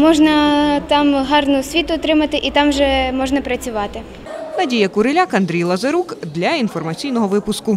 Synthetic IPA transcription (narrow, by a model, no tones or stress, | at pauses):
mɔʒnɐt̪ɑmɦɑrnʊsʲʋʲit̪ʊːt̪ɾɪmɐt̪ɪʔit̪ɑmʒɛmɔʒnɐpɾɐt͡sʲʊʋɑt̪ɪ | nɐdʲijɐkʊɾelʲakɐnd̪ɾʲijlˠɐzɐɾukd̪lʲɐinfɔrmɐt͡sʲijnɔɦɔʋɪpʊskʊ